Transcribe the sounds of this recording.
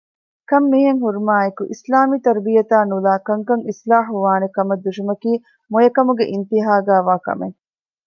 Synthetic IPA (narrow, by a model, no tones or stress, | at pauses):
kɐmːiːɦeŋɦuɾumaːekuʔislaːmiːt̪ɐɾbijɐt̪aːnulaːkɐŋkɐŋislaːħuʋaːnekɐmɐd̪ːuʂimɐkiː | mojɐkɐmuɡeʔint̪iɦaːɡæːʋaːkɐ̰mḛŋ